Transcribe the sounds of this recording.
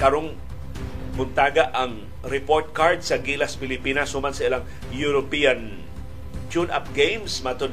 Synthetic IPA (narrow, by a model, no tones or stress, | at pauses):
kɐɾoŋ | bʊnt̪aːɡaʔɐŋ | ɾɛpoɹt̪̚kaɹd̪̚sɐɡiːlɐspɪlɪpiːnɐsumansɐɪlaŋ | jʊɾopijɐn | t͡ʃunʔa̰p̚ɡejmsmɐt̪od̪